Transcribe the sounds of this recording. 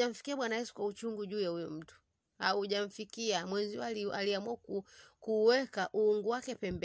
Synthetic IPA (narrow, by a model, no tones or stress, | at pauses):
aɱ̩fi̥kiaɓwanajɛsu̥kwaut͡ʃuŋɡuʄuːjaujɔm̩tu̥ | hauʄaɱ̩fikiamwɛɲziaaliamwuakkuːwɛkaʔuuŋɡuwakɛpɛmbɛ